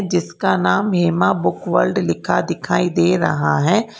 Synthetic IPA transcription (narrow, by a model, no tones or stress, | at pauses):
d͡ʒɪskanaːmɦeːmabʊkʋəɾlɖlɪkʰad̪ɪkʰaːid̪eːɾə̰ɦa̰ɦɛː